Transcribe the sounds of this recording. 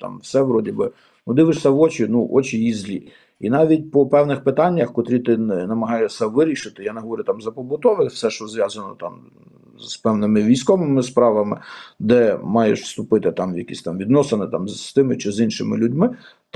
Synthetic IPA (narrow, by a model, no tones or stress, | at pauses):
t̪ɑ̰mwsɛʋɾɔdʲibɪ | nud̪ɪʋɪʃsʲɐʋɔt͡ʃinuʔɔt͡ʃʲijizʲlʲḭ | inɑʋʲit̚ʲpɔpɛwnɪxpɪt̪ɑnʲːɐxkɔt̪ɾʲit̪ɪnnɐmɐɦɑjɛsʲɐʋɪɾʲiʃɪt̪ɪjanɛɦɔʋɔɾʲʊt̪ɑmzɐpɔbʊt̪ɔʋɪfsɛʃt͡ʃɔzʋʲjɑzɐnɔ̰t̪ɑ̰m | z̥pɛwnɪmɪʋʲijsʲkɔʋɪmɪspɾɑʋɐmɪ̰d̪ɛmɑjḛʃst̪ʊpɪt̪ɪt̪ɑmjɐkʲḭsʲt̪ɑmʋʲid̪nɔsenɪt̪ɑmːt̪ɪmɪt͡ʃizinʃɪmɪlʲʊdʲmɪ